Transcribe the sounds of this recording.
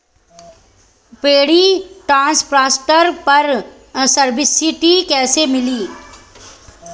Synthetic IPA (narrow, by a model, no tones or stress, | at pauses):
peːɽiʈɾãːnspɾaːsʈəɾpɐɾ | sɐɾbɪsɪʈikɛːsemɪliː